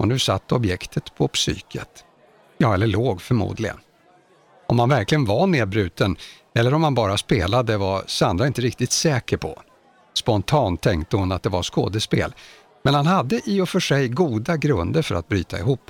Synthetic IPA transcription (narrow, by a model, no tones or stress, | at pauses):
ɔnʉ̟ːsa̰t̪ːɔbjɛkt̪ʰət̪pʰɔpsy̰ːkʰə̰t̪ | jɑːɛlːəɭoːɡfœɾmṵːd̪lɪɡə̰n | ɔmhanvæɾklɪɡənvaneːd̪̚bɾʉ̟ːt̪ʰən | ɛlːəɾɔmhanbɑːɾaspeːlad̪əvasand̪ɾaɪnt̪əɾɪk̚t̪ɪt̪sɛːkəɾpʰɔ̰ | spɔnt̪ʰɑːnt̪ʰːɛŋkt̪əhʊnat̪̚d̪ɛvasko̰ːd̪əspḛːl | mɛnhanɦad̪ːəʔɪɔfœʂɛjɡuːd̪aɡɾɵnd̪əɾfœɾat̪̚bɾyːt̪ʰaɪɦuːpː